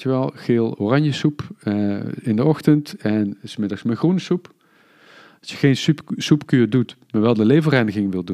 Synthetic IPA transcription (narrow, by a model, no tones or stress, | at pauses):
əʋɛlˠɣeːlˠoːrɑɲjəsup | ɪndəɔxtəntɛnsmɪdɑxsməxrunəsup | ɑsjəɣejnspsupkyːɹdutmaːɹʋɛlˠdəlejvərɛjnəɣɪŋʋɪlˠdu